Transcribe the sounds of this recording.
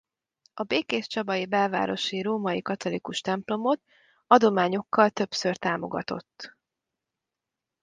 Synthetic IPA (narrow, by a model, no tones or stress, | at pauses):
ɒbeːkeːʃt͡ʃɒbɒjibɛlva̰ːɾo̞ʃiroːmɒjikɒt̪o̞likuʃt̪ɛmplo̞mo̞t̪ | ɒd̪o̞maːɲo̞kːɒlt̪ø̞psørt̪aːmo̞̰ɡɒ̰t̪o̞̰t̪ː